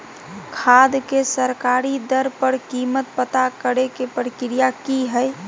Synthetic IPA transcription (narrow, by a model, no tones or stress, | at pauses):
kʰad̪kesəɾkaɾid̪əɾpəɾkimət̪̚pət̪akəɾekepɾəkɾijakiɦəj